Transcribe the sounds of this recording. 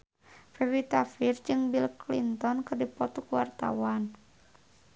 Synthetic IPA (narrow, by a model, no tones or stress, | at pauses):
fɛwit̪afird͡ʒɨŋbilklḭnt̪ɔnkɨrdipɔt̪ukuwart̪a̰wan